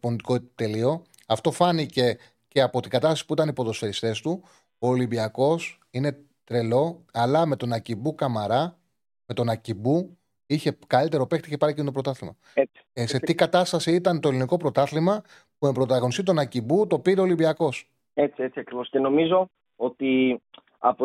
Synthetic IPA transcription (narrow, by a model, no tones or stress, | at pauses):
ponit̪ikot̪e̞lio̞ | ɐft̪o̞fɐnice̞ | ce̞ɐpo̞t̪iŋɡɐt̪ɐst̪ɐsi̥puit̪ɐnipo̞ðo̞sfe̞ɾist̪e̞st̪u | oːlibiɐko̞s | ine̞ | t̪ɾe̞lo̞ɐlɐme̞t̪o̞nɐcibukɐmɐɾɐ | me̞t̪o̞nɐcibu | içe̞kɐlit̪e̞ɾo̞pe̞xt̪iiçepɐɾickint̪oɾo̞t̪ɐθlimɐ̰ | e̥ | se̞t̪iɡɐt̪ɐst̪ɐsiit̪ɐnt̪oliniko̞pɾo̞t̪ɐθlimɐ | puembɾot̪ɐɣo̞nist̪it̪o̞nɐcibut̪o̞piɾeo̞libiɐko̞s | e̞t͡siet͡siɐkɾivo̞sceno̞mizo̞ | ot̪i | ɐp